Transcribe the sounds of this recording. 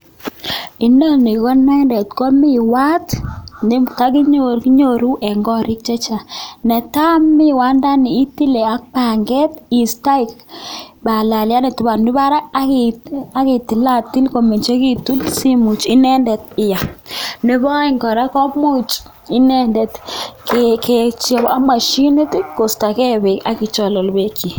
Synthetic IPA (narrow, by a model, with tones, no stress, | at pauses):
i˦ndɔ˦ni˨kɔ˦nɛ˦ndɛ˨tkɔ˦mi˦wa˦tni˦ta˦ki˦ɲo˨ɾki˦ɲo˦˨ɾu˦ʔɛ˨ŋɡɔ˦ɾɪ˦k̚t͡ʃɛ˦t͡ʃa˨nɛ˨ta˦mːɪ˦wa˨˦nda˦ni˨i˦ti˦lɛ˨a˨˦k̚pa˨ŋɡɛ˦ti˨sta˦i˨kba˨la˨lja˦nɛ˨tu˨ba˨nnɪ˦ba˦ɾa˦a˦kia˦ke˨ti˨la˦ti˦lko˨me˨nt͡ʃe˦ki˦tu˦lsi˦mu˨t͡ʃi˦nɛ˦ndɛ˨tɪ˨ja˨ni˦bɔ˦i˦ŋɡɔ˨ɾa˦kɔ˦mu˦t͡ʃ | i˦nɛ˦ndɛ˨tkkɛ˨t͡ʃɛ˨bɔa˦ma˨ʃi˦ni˦ti˦ko˨sta˨kɛ˦be˨ka˦ki˨t͡ʃɔ˨lɔ˨lbe˦kʰi˨